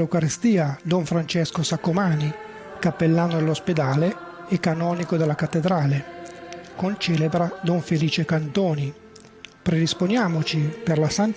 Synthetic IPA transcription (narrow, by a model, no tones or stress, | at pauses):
ewkaɾest̪iːad̪ɔɱfɾant͡ʃɛskosakːomaːni | kapːelːaːnod̪elːosped̪aːle | ɛkːanɔːnikod̪elːakat̪ːed̪ɾaːle | kont͡ʃɛːlebɾad̪ɔɱfeliːt͡ʃekant̪oːni | pɾed̪isponjaːmot͡ʃiperlasant̪